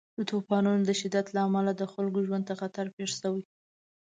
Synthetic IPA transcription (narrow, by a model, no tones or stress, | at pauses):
d̪ət̪opɑnunod̪əʃɪd̪ːat̪laamalad̪əxalɡoʒwan̚t̪axat̪aɾpeʂsawi